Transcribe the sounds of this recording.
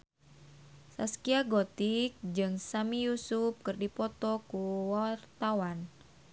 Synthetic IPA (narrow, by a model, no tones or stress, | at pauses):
saskiaɡot̪ik̚d͡ʒɨŋsamijusup̚kɨrdipɔt̪ɔkuwart̪awan